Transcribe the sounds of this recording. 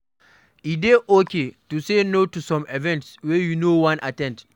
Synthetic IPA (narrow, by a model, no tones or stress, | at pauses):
ideʔoketusenotusɔ̃mɛvɛ̃ntswɛjunowãnʔa̰tɛ̃nt